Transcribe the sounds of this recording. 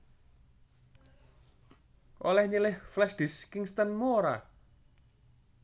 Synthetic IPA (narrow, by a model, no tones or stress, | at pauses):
ʔolɛhɲilɪhflɛsɖ̥ɪskɪŋst̪ənmuoɾa̰